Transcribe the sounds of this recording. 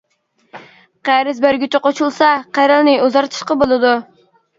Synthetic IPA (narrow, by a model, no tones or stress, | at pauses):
qæɾɪzbæɾɡʲyt̪ʰɪqʰot͡ʃulˠsɑqʰæɾɪlˠnɪuzɑɾt̪ʰɨ̥ʃqɑbolˠɨd̪u